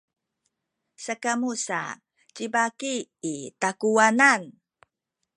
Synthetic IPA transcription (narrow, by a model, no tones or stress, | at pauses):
sakamusa̰ | t͡ɕibakiːtakuanan